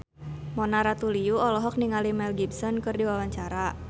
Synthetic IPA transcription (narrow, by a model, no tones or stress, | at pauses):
mɔnaɾat̪ulijuɔlɔɦɔk̚niŋalimɛlɡibsɔnkɨrdiwawaɲt͡ʃaɾa